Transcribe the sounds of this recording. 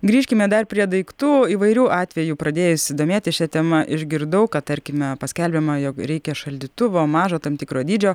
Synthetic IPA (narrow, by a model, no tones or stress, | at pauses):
ɡɾʲiːʃʲkʲɪmʲɛd̪ɐrpʲɾʲiɛd̪ɐɪkt̪uːiːʋɐɪɾʲuːʔɑːt̪ʲʋʲɛjuːpɾɐd̪ʲeːjɛʊsʲɪd̪oːmʲeːt̪ʲɪʃʲɛt̪ʲɛmɐʔɪʒʲɡʲɪɾd̪ɐʊkɐt̪ɐɾʲkʲɪmʲɛpɐsʲkʲɛlʲbʲɛmɐjoːkɾʲɛɪkʲɛʃɐlʲd̪ʲit̪ʊʋoːmɑːʒoːt̪ɐmt̪ʲɪkɾoːd̪ʲiːd͡ʒʲoː